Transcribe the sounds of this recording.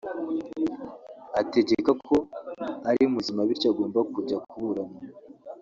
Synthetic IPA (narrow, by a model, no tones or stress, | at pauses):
ate̞ɟe̞kakʰo̞aɾiumuzimaβiɾcoaɡo̞ːmbakuɾɟakuβuɾamo